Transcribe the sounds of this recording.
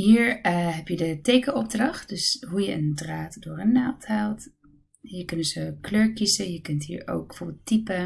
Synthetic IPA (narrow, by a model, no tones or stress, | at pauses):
ɦiːɹɦɛpjədətejkəʔɔb̚drɑχt̚dɵsɦujəəndraːtdʊːɹənawtɦaːlˠt | jəkɵnənzəkløːɹkisəjəkɵntɦḭːɹo̰wk̚b̥ə̥fobɪlˠtipə